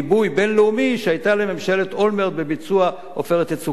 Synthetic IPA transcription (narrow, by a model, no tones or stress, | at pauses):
bujbe̞nleumiʃeajtaleme̞mʃe̞let̪o̞lmeʁd̪̚bebit͡sua | o̞̰fe̞ʁet̪et͡su